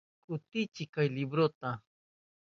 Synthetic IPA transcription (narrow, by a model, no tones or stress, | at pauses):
kʼʊt̪ɪt͡ʃɪkajlɪbɾot̪a